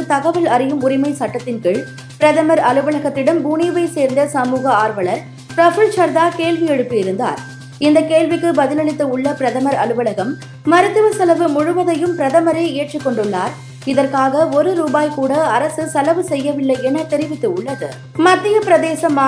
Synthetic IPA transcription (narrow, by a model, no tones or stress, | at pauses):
ɯt̪ɐɣɐʋɐɭɐɾɪjɯmʊɾɪmɐɪsɐʈːɐt̪ːɪnkɪɭ | pɪɾɐðɐmɐɾɐɭɯʋɐɭɐɣɐt̪ːɪɽɐmbuːniːʋɐɪseːɾnd̪ɐsɐmuːɣɐaːɾʋɐɭɐɾ | pɾɐfʊɭsɐɾðaːkeːlʋɪjɛɽɯpːɪɪɾɯnd̪a̰ːɾ | ɪnd̪ɐkeːlʋɪkːɯbɐðɪlɐɭɪt̪ːɯʊɭːɐpɪɾɐðɐmɐɾɐlɯʋɐɭɐɣɐmː | ɐɾɯt̪ːɯʋɐsɐlɐʋɯmʊɻʊʋɐðɐjɯmpɪɾɐðɐmɐɾeːɪjɐʈrɪkːɔɳɖɯɭːaːɾ | ɪðɐrkaːɣɐɔɾɯɾuːbaːjkuːɽɐɐɾɐsɯsɐlɐʋɯsɛjːɐʋɪɭːɐɪɛnɐt̪ɛɾɪʋɪt̪ːɯʊɭːɐðɯ̰ | mɐd̪ːɪjɐpɪɾɐðeːsɐmaː